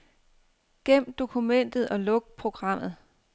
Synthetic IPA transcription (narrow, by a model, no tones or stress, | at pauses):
ɡ̥em̰d̥o̝kʰumen̰d̥ð̞̩ˠɒ̽lɔ̽ɡ̥̚pʰʁo̝ɡ̥ʁɑ̈m̰ð̞̩ˠ